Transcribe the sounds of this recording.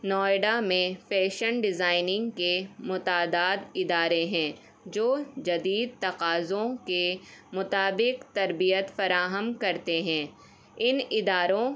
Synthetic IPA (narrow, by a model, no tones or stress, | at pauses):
nɔːɪɖamẽfɛːʃənɖɪzaːɪnɪ̃ŋɡkemʊt̪aːd̪aːd̪ɪd̪aːɾeɦɛ̃ː | d͡ʒoːd͡ʒɐd̪iːd̪̚t̪ɐqaːzõkemʊt̪aːbɪqt̪ɐɾbijət̪fɐɾaːɦəmkɐɾt̪eɦɛ̃ː | ɪnɪd̪aːɾõ